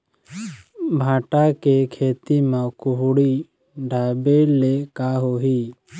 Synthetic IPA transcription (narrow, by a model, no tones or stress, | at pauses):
bʱaːʈakekʰeːt̪imãkʊɦuɽi | ɖʱaːjbeːlekaɦoːɦiː